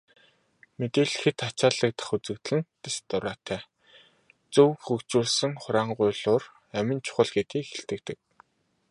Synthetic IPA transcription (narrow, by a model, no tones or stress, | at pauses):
met̪eːɮɘ̆xɘ̆t̪ʰat͡ɕaːɮə̆k̚t̪ʰḁχut͡sɘ̆kt̪̆ɮɘ̆nt̪est̪ʊɾaːt̪ʰæː | t͡sɵwxɵkt͡ɕuːɮsɘ̆ŋχʊɾaːɴɢʊːɮʊːr | æmɪ̆nt͡ɕʰʊ̥χə̆ɮɡet̪iːkxeɬt̪ɘ̆kt̪ɘ̆k̚